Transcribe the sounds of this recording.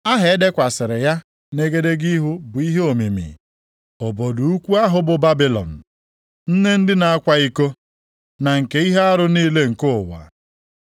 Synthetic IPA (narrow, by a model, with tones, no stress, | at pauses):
a˦ɦe˨˦de˦kʷa˨sɪ˨ɾɪ˨ja˦ | ne˦ɡe˦de˦ɡi˦ɦu˦bʊ˨i˦ɦe˦o˨mi˨mḭ˨ | o˨bo˨du˨u˦kʷu˦a˦ɦʊ˦bʊ˦ba˦bi˨lɔ̰˨n̩˨ | n̩˦ne˦n̩˦dɪ˦na˨a˦kʷa˦i˦ko˦ | na˨ŋ̩˨ke˦i˦ɦe˦a˦ɾʊ˦niː˦le˦ŋ̩˨kʊ˦˨wa̰˨